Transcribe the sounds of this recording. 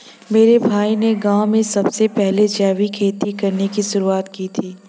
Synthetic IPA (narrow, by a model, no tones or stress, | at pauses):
meːɾebʱaːineɡaːwmẽsɐbsepɛɦled͡ʒɛːʋikʰeːt̪ikɐɾnekisʊɾuaːt̪kit̪ʰiː